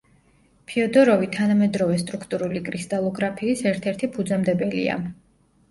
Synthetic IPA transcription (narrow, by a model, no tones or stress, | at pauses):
pʰiɔd̪ɔɾɔvit̪ʰanamɛd̪ɾɔvɛst̪ʼɾukʰt̪ʼuɾulikʼɾist̪ʼalˠɔɡɾapʰiːsɛɾt̪ʰɛɾt̪ʰipʰud̪zamd̪ɛbɛlḭa̰